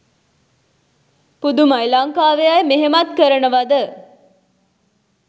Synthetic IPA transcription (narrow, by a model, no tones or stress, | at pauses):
pud̪umajlaŋkaːʋejajmeɦemat̪̚kəɾənəʋad̪ə